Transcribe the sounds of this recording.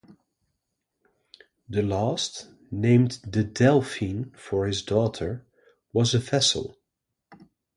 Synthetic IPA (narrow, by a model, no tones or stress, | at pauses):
ðəlæst | nẽɪ̃mdɨdɛlˠfĩnfə˞ɪzdɔtʰə˞ | wʌzəfɛsə̰l̩ˠ